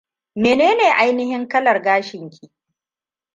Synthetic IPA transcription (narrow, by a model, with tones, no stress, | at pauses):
meː˨neː˦neː˨ʔa˦jnɪ˦hɪ˦ŋkɐ˦lɐ˨rɡaː˦ʃɪ˨ŋkʲʰiː˨ʔ